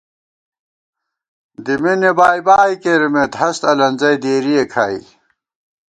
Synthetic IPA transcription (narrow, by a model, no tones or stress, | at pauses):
d̪imenebaːjbaːjkeɾimet̪ɦɐst̪ɐlɐnzɐjd̪eːɾijekʰaːḭ